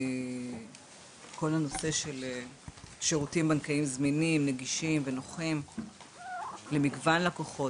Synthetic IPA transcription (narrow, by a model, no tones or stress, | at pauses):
ko̞lano̞se̞ʃe̞leʃeʁutimbankaimzminimneɡiʃimveno̞χim | lemiɡvanlakoχo̞